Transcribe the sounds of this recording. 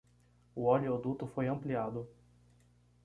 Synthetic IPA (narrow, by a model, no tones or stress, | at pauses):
ʊɔliod̪ut̪ʊfojɐ̃mpliad̪ʊ